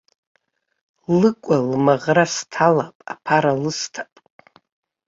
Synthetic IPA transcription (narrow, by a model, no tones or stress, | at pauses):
lɨkʷʼalmaʁrastʰalapʼa̰pʰaɾalɨstʰḁpʼ